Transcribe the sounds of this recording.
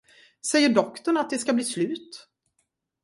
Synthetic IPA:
sɛjːəɖɔkt̪ɔɳat̪̚d̪ɛskabliːslʉ̟ːt̪

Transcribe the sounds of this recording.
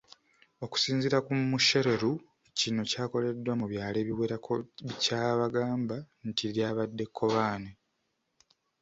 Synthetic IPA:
o̞ku̥siːnziɾakumuʃe̞ɾe̞ɾu | cino̞caːko̞le̞dwamuβjaːle̞ːβiweːɾakoβicaːβaɡaːmba | ntiɾjaːβadːe̞kʰːo̞βaːne

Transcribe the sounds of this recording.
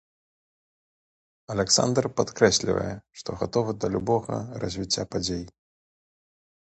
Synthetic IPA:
ɐlʲɛksa̰nd̪rpat̪kɾɛsʲlʲḭvɐ̰jɛʂt̪ɔɣat̪ɔvɨd̪ɐlʲubɔɣɐ̰rɐ̰zʲvʲit͡sʲːapad͡zʲej

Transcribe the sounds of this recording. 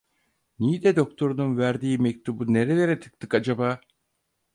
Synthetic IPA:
nijid̪ɛd̪o̞k̚t̪ʰo̞ɾununvæɾd̪iːimec̚ʲt̪ubuneɾeleɾɛt̪ʰɯ̥k̚t̪ɯkad͡ʒabaː

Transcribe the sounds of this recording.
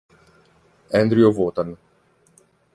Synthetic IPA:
ɛnd̪ɾiovoːt̪an

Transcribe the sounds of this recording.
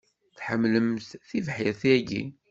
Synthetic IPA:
θħəmːləmθθivħjæθiæɡḭ

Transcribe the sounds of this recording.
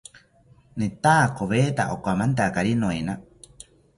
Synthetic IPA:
net̪aːkoβet̪a̰ʔokʷamãnt̪akaɾinõena

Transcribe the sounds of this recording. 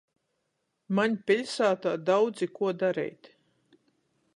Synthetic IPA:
maɲʲpʲiʎʲsaːt̪aːd̪awd̪zikuɔd̪aɾɛ̰jt̪

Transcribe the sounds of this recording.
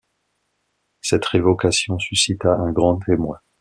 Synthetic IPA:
sɛt̪ʁevɔkasjɔ̃sysit̪aʔɛ̃ɡʁɑ̃t̪ʰemwɛ̃

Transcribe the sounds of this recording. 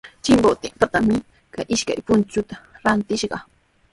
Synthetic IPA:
t͡ʃɪmbot̪ɪmpat̪amɪ | kajʔɪʃka̰jpʊnt͡ʃʊt̪aɾant̪ɪʃɢɑ

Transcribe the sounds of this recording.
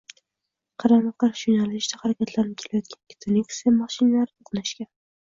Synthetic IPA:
qʰɑɾamɑɑɾʃonalɪʃd̪ahaɾakʲʰat̪ʰlaɾnɪkʲʰelajɒt̪̚ɡʲʰankʲʰɪ̥t̪ʰɪnɪkʲsemɑʃɪnalaɾoqnaʃkʲan

